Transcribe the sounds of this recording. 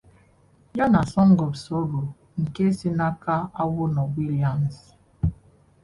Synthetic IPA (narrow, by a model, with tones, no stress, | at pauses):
ja˦na˨sɔ˦ŋ̩˦ɡɔ˨bsɔ˦bu˨ | ŋ̩˨ke˦si˦na˦ka˦a˦wʊ˦nɔ˨wi˦li˨a˨m˨s